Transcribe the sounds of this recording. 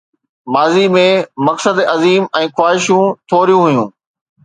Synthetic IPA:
maːzimẽmɐksəd̪ɐziːmɛ̃ːxwaːɦɪʃjũt̪ʰoːɾijũɦʊjũː

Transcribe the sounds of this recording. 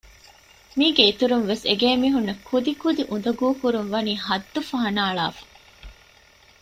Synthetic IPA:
miːɡeit̪uɾunʋeseɡeːmiːɦunːɐkʰud̪ikud̪iʔund̪ɐɡuːkuɾunʋɐniːhɐd̪ːufɐɦɐnaːɭaːfɐ̥

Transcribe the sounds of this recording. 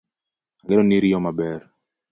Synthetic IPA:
alɛɾɔniɾijɔmabɛɾ

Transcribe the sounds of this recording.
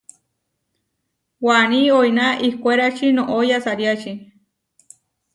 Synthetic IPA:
waniojnaʔikʷeɾat͡ʃinõʔojasaɾjat͡ʃi

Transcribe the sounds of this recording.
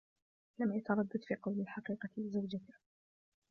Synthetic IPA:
lamjat̪ɑɾˤɑd̪ːad̪fiːqɑwlalħɑqiːqɑtlɪzawd͡ʒat̪ɪh

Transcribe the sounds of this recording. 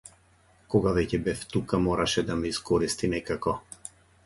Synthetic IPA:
kɔɡavɛcɛbɛft̪ukamɔɾaʃɛd̪amɛiskɔɾist̪inɛkakɔ

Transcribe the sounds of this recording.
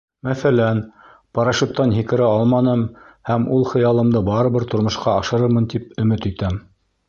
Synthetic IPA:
mæθælæn | pɑɾɑʃut̪ːɑnɦikɘ̆ɾæɑlˠmɑnɤm | hæmulˠχɤ̆jɑlˠɤ̆md̪ɤbɑɾɤ̆βɤɾt̪ŏɾmŏʃqɑɑʃɤ̆ɾɤɾmɤnt̪ipɵ̆mɘt̪it̪æm

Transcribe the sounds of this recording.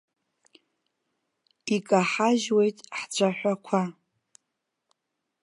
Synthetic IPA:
ikʼaħaʒwe̞jtʼħt͡ʃʷʰaħʷakʷʰa

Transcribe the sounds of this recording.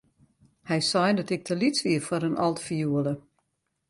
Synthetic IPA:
hɛjsɔjndɔtɪk̚tʰəlitsʋiəfɔɾənʔɔlˠtfijuələ

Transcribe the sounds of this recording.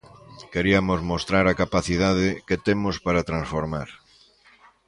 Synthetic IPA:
keɾiamozmost̪ɾaɾakapaθiðað̞ɪket̪emospaɾat̪ɾãnsfoɾmaɾ

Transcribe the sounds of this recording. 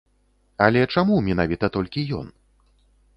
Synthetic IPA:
ɐlʲɛt͡ʂamumʲin̪avʲit̪ɐt̪ɔlʲkʲijɔ̰n

